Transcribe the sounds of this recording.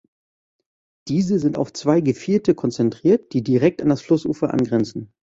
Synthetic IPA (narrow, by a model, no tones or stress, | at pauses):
d̥iːzəzɪnta̰ʊft͡sv̥aɪɡəfiːltəkʰɔnt͡sɛntʁ̥iːɐt̚d̥iːdiʁɛk̚tandasflʊsʔṵːfɐʔa̰nɡʁɛnt͡sn̩